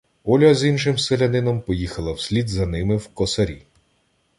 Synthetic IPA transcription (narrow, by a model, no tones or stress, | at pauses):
ɔlʲɐzinʃɪmselʲenɪnɔmpɔjixɐlˠɐwsʲlʲid̪zɐnɪmɪwkɔsɐɾʲi